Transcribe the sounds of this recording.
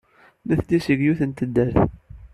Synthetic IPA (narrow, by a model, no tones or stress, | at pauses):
mæθd̪isəɡjuθənt̪əd̪ːæɾθ